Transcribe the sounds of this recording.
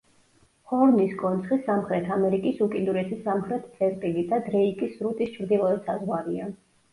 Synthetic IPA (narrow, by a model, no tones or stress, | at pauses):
χɔɾlniskʼɔnt̪sʰχisamχɾɛt̪ʰamɛɾikʼisukʼind̪uɾɛsʰisːamχɾɛt̪ʰt̪sʰʼɛɾt̪ʼilid̪ad̪ɾɛikʼisɾut̪ʼist͡ʃʰɾd̪ilˠɔɛt̪sazwaɾia